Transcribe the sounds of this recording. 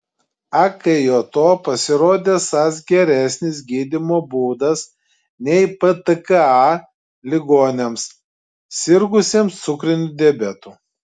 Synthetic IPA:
ɐkɐjoːt̪oːpɐsʲɪɾoːd̪ʲeːsɐs̬ɡʲɛɾʲæˑsʲnʲɪs̬ɡʲiːd̪ʲɪmoːbuːd̪ɐs | nʲɛɪpət̪əkɐɑ | lʲɪɡoːnʲems | sʲɪɾɡʊsʲeːmst̪sʊkɾʲɪnʲʊd̪ʲebʲɛt̪uː

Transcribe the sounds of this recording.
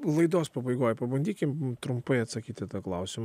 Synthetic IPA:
lˠɐɪd̪oːspɐbɐɪɡoːjpɐbɐnʲd̪ʲiːkʲɪmt̪ɾʊmpɐɪɐt̪sɐkʲiːt̪ʲɪt̪ɑːklˠɐʊsʲɪm

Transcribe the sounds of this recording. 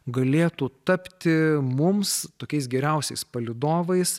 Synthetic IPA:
ɡɐlʲeːt̪uːt̪ɐpʲt̪ʲɪmʊmst̪oːkʲɛɪsɡʲɛɾʲɛʊsʲɛɪspɐlʲɪd̪oːʋɐɪs

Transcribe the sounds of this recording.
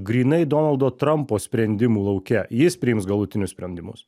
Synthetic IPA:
ɡɾʲiːnɐɪd̪ɔːnɐlˠd̪oːt̪ɾɐmpoːsʲpʲɾʲɛnʲd̪ʲɪmuːlˠɒʊkʲɛjɪspʲɾʲɪjɪmsɡɐlˠʊt̪ʲɪnʲʊsʲpʲɾʲɛnʲd̪ʲɪmʊ̰s

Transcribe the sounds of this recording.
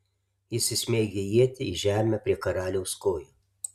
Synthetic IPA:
jɪsʲɪsʲmʲeːɡʲɪjiɛt̪ʲɪiʒʲæːmʲɛpʲɾʲiɛkɐɾɑːlʲɛʊskoːju

